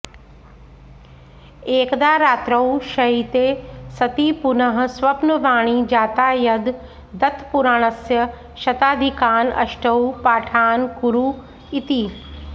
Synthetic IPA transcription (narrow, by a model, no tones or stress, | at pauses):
eːkd̪aːɾaːt̪ɾɐwʃɐiːt̪esɐt̪iːpʊnəɦ̆sʋɐpnəʋaːɽ̃iːd͡ʒaːt̪aːjɐd̪ː | ɐt̪ʰpuɾaːɽ̃ɐsjə | ʃɐt̪aːd̪ʱikaːnɐ̰ʃʈɐupaːʈʰaːnkʊɾuː | ɪt̪iː